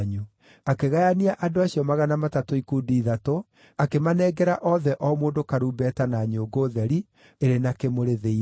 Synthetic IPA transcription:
ɲu | akeɣajaniaʔadoaɕiɔmaɣanamatatoikudiːðato | akemanɛːɡɛɾaʔɔðɛʔɔmoːndokaɾuːbɛːtanaɲoɡoːðɛɾi | eɾenakemoɾeðei

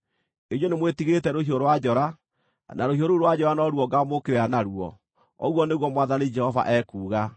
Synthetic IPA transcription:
eɲonemwetiɣetɛɾohioɾowad͡ʒɔɾa | naɾohioɾoɾwad͡ʑɔɾanɔɾwɔɡamokeɾeanaɾuɔ̰ | ɔ̰ɣwɔneɣwɔmwaðaned͡ʒɛhɔva̰ʔɛkuːɣa

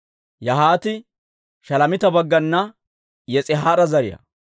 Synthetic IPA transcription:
jɐɦaːt̪ɪ | ʃɐlɐmɪt̪ɐbɐɡːɐnːɐ | jɛt͡sʼɪɦaːɾɐzɐɾɪjɐ̰

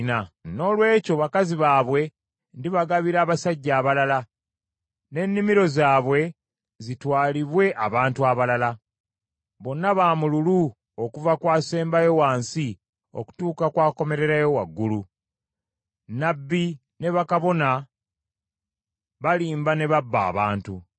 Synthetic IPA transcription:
nano̞ːlwe̞ːco̞βakaziβaːβwe̞ | ndiβaɡaβiɾaːβasaɟːaːβalala | ne̞nːimiɾo̞zaːβwe̞ | zitwaːliβwe̞ʔaβaːntuaβalala | βo̞nːaβaːmululu | okuvakwaːse̞ːmbajo̞waːnsi | o̞̰ku̥tuːkakwaːko̞me̞ɾe̞ɾajo̞waɡːulu | nabːi | ne̞βakaβo̞na | βaliːmbane̞βabːa̰ːβaːntu

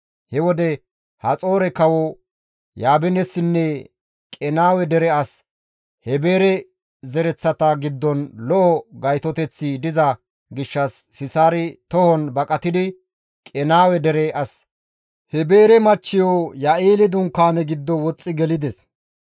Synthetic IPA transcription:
hɛwɔd̪ɛ | hɐt͡sʼo̞ːɾɛkɐwɔ | jaːbɛnɛsːɪnːɛ | kʼɛnaːwɛd̪ɛɾɛɐs | hɛbe̞ːɾɛ | zɛɾɛt͡sːɐt̪ɐɡɪd̪ːɔnlɔʔɔɡɐjt̪ɔt̪ɛt͡sːɪd̪ɪzɐ | ɡɪʃːɐsːɪsaːɾɪt̪ɔhɔnbɐkʼɐt̪ɪd̪ɪ | kʼɛnaːwɛd̪ɛɾɛʔɐs | hɛbeːɾɛmɐt͡ʃːɪjɔjɐʔiːlɪd̪ʊŋkːaːnɛɡɪd̪ːɔwɔt͡sʼːɪɡɛlɪd̪ɛs

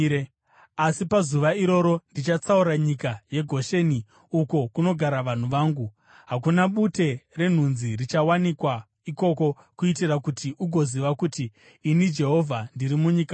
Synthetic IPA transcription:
asipazuʋaiɾo̞ɾo̞ndit͡ʃat͡sauɾaɲikaje̞ɡʱo̞ʃe̞ːni | uko̞kuno̞ɡʱaɾaʋan̤uʋaːŋɡu | ɦakunaɓute̞re̞n̤unzirit͡ʃawanikwa | iko̞ko̞ | kuitirakutiʔuɡʱo̞ziʋakutiː | nid͡ʒe̞ɦo̞vʱandiɾimuɲika

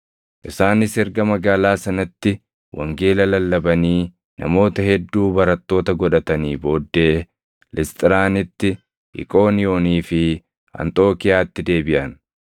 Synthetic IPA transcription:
ʔɪsaːnɪsɛɾɡɐmɐɡaːlaːsɐnɐt̪ːɪ | wʔɐ̰ŋɡeːlɐlɐlːɐbɐniː | nɐ̰mo̞ːt̪ɐhɛd̪ːuːbɐɾɐt̪ːo̞ːt̪ɐɡɔᶑɐt̪ɐniːbo̞ːd̪ːe̞ː | lʔɪst̪ʼɪɾaːnɪt̪ːɪ | ʔɪ̰kʼo̞ːnɪo̞ːniːfɪ | ɐ̰nt̪ʼo̞ːkɪjaːt̪ːɪd̪e̞ːbɪʔɐn

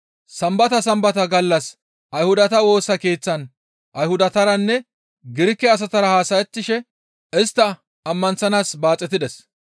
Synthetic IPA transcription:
sɐmbɐt̪ɐsɐmbɐt̪ɐɡɐlːɐs | ʔɐjhʊd̪ɐt̪ɐwo̞ːsɐke̞ːt͡sːɐn | ʔɐjhʊd̪ɐt̪ɐɾɐnːɛ | ɡɪɾɪkːɛɐs̬ɐt̪ɐɾɐhaːsɐjɛt̪ːɪʃɛ | ɪst̪ːɐː | mːɐnsɐnaːsbaːt͡sʼːɛt̪ɪd̪ɛs

